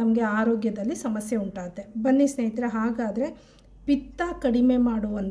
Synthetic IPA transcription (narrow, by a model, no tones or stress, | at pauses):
ɐmɐɡe̞aːɾoːɡjɐd̪ɐlːisɐmɐsjɐuɳʈaːt̪ːebɐnːisneːjt̪ɾeɦaːɡaːd̪ɐɾe̞ | pit̪ːaːkɐɽime̞maːɽuʋɐnt̪